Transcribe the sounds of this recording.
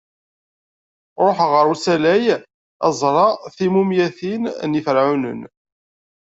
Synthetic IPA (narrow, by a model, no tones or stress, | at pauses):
ɾˤoħʁəɾusælæj | æzˤɾˤɑθimumjæθinnifəɾʕunə̰n